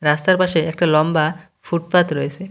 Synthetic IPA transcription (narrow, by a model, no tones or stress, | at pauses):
ɾast̪aɾpaʃeɛk̚ʈalɔmba | fuʈpat̪ɾojet͡ɕʰe